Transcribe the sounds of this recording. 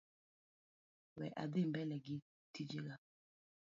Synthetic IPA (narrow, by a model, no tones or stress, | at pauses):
wɛ̰ʔa̰dembɛlɛɡi | tid͡ʒeɡa